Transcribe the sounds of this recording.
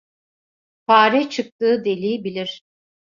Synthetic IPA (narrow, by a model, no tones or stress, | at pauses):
pʰaːɾɛt͡ʃʰɯk̚t̪ɯːd̪e̞lʲiːbilʲiɾ̥